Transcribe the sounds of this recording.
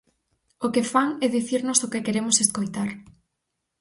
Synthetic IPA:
okefaŋɛðiθiɾnʊsokekeɾemʊseskojt̪aɾ

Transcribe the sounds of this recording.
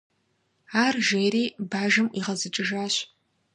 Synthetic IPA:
aːrʒeːɾiːbaːʒɨmʔiːʁɐzɨt͡ʃʼɨʒaːɕ

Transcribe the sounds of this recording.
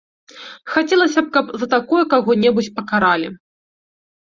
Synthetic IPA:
xat͡sʲɛlˠɐsʲɐp̚kɐpzɐt̪akɔjɐkaɣɔnʲɛbut͡sʲpɐkaɾalʲi

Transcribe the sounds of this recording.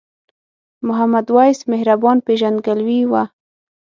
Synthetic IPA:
mʊɦamad̪wajsmehɾabɑnpeʒand̪̚ɡalwiwa

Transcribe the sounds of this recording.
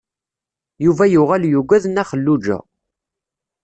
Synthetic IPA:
juvæjuʁæljuɡʷæðnæχəlːud͡ʒæ̰

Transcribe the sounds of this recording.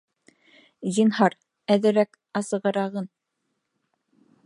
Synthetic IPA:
ʑinɦɑɾ | æðɘ̆ɾæk | ɑsɤ̆ʁɤ̆ɾɑʁɤn

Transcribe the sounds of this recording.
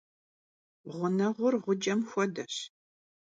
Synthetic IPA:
ʁʷʊnɐʁʷʊrʁʷʊd͡ʒʼɐmxʷɔdɐɕ

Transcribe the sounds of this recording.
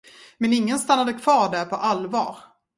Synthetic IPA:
mɛnɪŋːənst̪anːad̪əkʰv̥ɑːɖæɾpʰɔʔalvɑ̰ːɾ

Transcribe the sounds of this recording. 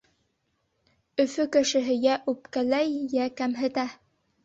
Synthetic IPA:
ɵ̆fɵkɘ̆ʃɘ̆ɦɘ̆jæʔʉp̚kælæjːækæmɦɘ̆t̪æ

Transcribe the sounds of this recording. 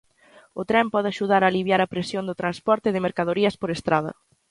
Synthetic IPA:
ʊt̪ɾɛmpɔðɪaʃuð̞aɾaːliβjaɾɐpɾesjond̪ʊt̪ɾanspɔɾt̪ɪðɪmeɾkaðoɾiɐspoɾest̪ɾað̞ɐ̰

